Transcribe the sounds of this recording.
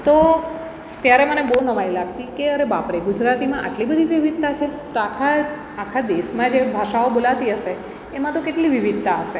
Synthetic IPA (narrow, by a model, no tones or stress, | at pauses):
t̪o | t̪jaɾemənebəunəʋajlaɡt̪ikeəɾebapɾeɡud͡ʒɾat̪imãʔa̰ʈlibəd̪ʱiʋiʋid̪̚t̪at͡ʃʰet̪oakʰa | akʰad̪esmãd͡ʒebʱaʃaobolat̪iəʃeː | mãt̪okeʈliʋiʋid̪̚t̪aəʃe